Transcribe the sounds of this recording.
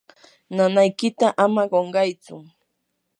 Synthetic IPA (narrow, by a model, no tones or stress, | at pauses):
nanajkɪt̪aʔamaɢoɴɢɑjt͡sʊ̰